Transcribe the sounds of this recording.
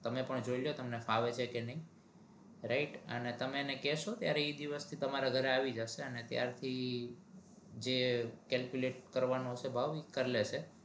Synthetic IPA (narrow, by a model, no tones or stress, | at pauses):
t̪əmepəɳd͡ʒoiljot̪əmnefaʋet͡ʃʰekenəɦĩ | ɾaiʈə̰net̪əmenekɛʃot̪jaɾeid̪iʋəst̪ʰit̪əmaɾaɡʱəɾeaʋid͡ʒaʃeənet̪ja̰ɾt̪ʰi | d͡ʒekɛlkjuleʈkəɾʋanoɦəsebʱaʋikəɾlet͡ʃʰe